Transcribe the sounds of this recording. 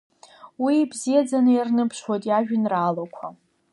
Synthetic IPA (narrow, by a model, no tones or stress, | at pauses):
wibzijad͡zanɨjarnɨpʰʂwajtʼjaʒᶣɨnraːlakʷʰa